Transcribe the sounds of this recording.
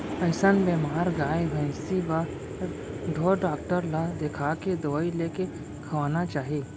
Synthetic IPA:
ɐɦsənbeːmaːɾɡaːjʋə̃siʋa | ɖʱoːɖaːk̚ʈəɾlad̪ekʰaked̪ɐʋaileːke | kʰɐʋaːnat͡ʃaːɦiː

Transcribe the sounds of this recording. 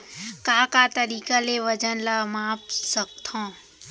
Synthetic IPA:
kaːkaːt̪ɐɾiːkaleʋɐd͡ʒənlamaːpsɐk̚t̪ʰõː

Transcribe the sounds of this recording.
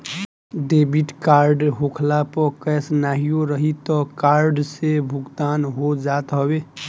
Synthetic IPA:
ɖebiʈkaɾɖɦokʰlapɔkɛːsnaɦijoɾəɦit̪ɔkaɾɖsebʱʊɡt̪aːnɦod͡ʒat̪ɦəbe

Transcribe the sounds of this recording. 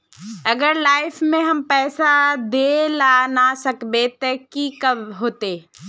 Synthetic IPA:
ɐɡəɾlaːɪfmẽɦɐmpɛːsad̪elaːnasɐkbet̪ekikɐbɦoːt̪eː

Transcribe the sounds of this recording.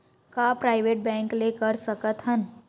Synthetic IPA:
kapɾaːɪʋeːʈ̚bɛ̃ːŋklekəɾsəkət̪ɦən

